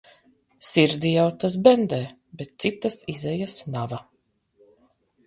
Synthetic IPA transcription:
siɾd̪ijawt̪as̬bɛnd̪ɛː | bɛt̪̚t̪sit̪ːasizɛjasnava

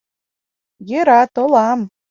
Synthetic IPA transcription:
jeɾɑt̪olɑm

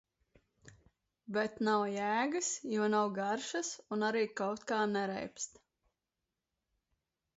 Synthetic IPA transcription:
bɛt̪nawjæːɡɨsjuɔnawɡaɾʃɐsunaɾiːkawt̪̚kaːnɛɾɛ̰jpst̪

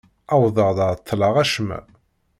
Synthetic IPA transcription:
æwðəʁðəɾˤt̪ʰːlɑʁæʃmæ̰

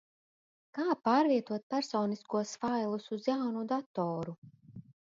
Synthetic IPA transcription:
kaːpaːɾviɛt̪uɔt̪̚pæɾsɔːniskuɔsfajlˠusuzjawnud̪at̪ɔːɾu

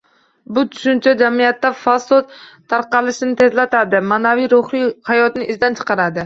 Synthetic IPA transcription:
bʊt̪ʰʊ̥ʃʊnt͡ʃʰad͡ʒamijat̪ːafasod̪̚t̪ʰːaɾqɑlɪʃɪnɪt̪ʰe̞zlat̪ʰad̪ɪmaːnavijɾoχɾɪhajɒt̪nɪʔɪzd̪ant͡ʃʰɨ̥qʰɑɾad̪ɪ

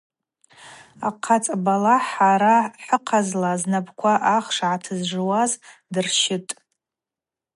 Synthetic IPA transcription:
aqʰat͡sʼabalaħaɾaħʷəqʰazlaznabʰkʷʰaʔaχʂʕatʰɨzʐɨwazdɨrʃɪtʼ

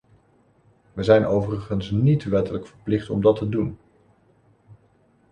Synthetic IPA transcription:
ʋəzɛjnowvərəχənsnitʋɛtələkfəɹplɪχtɔ̰mdɑtədun

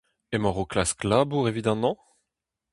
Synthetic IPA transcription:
emɔʁoklasklaːbuʁevid̪amɑ̃

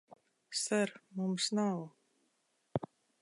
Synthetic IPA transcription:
saɾmumsnaw

